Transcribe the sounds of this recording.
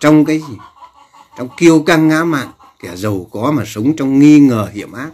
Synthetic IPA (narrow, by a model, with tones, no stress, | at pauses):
t͡ɕɔ˧wŋ͡mkaː˨˦jzi˨˩ | t͡ɕɔ˧wŋ͡mki˧əwka˧ŋːaː˨˦ma̰ː˧˨n | ka˧˩zə˨˩wkɔ˨˦maː˨˩sə˨˦wŋ͡mt͡ɕɔ˧wŋ͡mŋi˧ŋəː˨˩hḭ˧˩˨əmʔaː˦˥t̚